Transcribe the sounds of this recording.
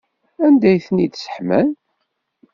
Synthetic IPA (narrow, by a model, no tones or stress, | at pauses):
ænd̪æjθənid̪sə̥ħmæn